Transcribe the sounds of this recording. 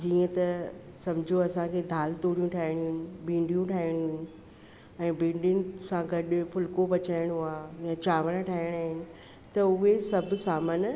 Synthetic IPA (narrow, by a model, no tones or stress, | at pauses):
d͡ʑiːə̃t̪ɐ | sɐmd͡ʑʱoɐsãkʰeːd̪ʱaːlt̪oːɽijũʈʰaːɪɽ̃ɦʊ̃bʱĩːɳɖijũʈʰaːɪɽ̃ɦʊ̃ | ɛ̃ːbʱĩːɳɖʊnɪ̆sãɡɐɗfʊlkopɐt͡ɕaːɪɽ̃ɦʊaːjãt͡ɕaːʋəɽ̃ʈʰaːɪɽ̃aːɦɪnɪ̆ | t̪ɐʊɦesɐbʱsaːmən